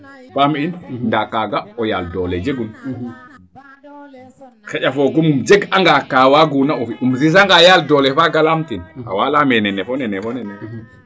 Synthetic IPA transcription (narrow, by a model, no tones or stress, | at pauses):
faminndakaɡaɔjaldɔlɛd͡ʒeɡun | xɛʔafɔɡɔmumd͡ʒeɡaŋɡakaːwaɡunaɔfiʔumzis̬aŋɡajaldɔlɛfaɡalamtina̰walamɛnɛnɛfɔnɛnɛfɔnɛnɛ